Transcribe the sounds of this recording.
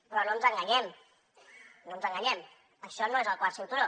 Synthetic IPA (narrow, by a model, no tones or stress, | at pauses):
pɾɔnont̪aŋɡaɲɛm | nont̪aŋɡaɲɛm | əʃɔnoezəlˠkwasint̪uɾo